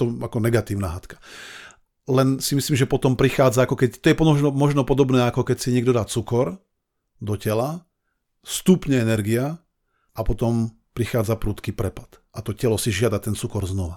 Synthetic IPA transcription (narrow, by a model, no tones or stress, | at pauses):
t̪ɔakɔnɛɡat̪iːʊnaɦat̪kḁ | lɛnsimisliːmʒɛpɔt̪ɔmpɾixaːd͡zaakɔkɛct̪ɔjɛpɔɔʒnɔmɔʒnɔpɔd̪ɔbnɛːakɔkɛcsiɲɪɛɡ̚d̪ɔd̪at͡sukɔɾ | d̪ɔcɛla | st̪upɲɛɛnɛɾɡia | apɔt̪ɔm | pɾixaːd͡zapɾuːt̪kipɾɛpḁt̪ʔat̪ɔcɛlɔsiʒɪad̪at̪ɛnt͡sukɔɾznɔʋa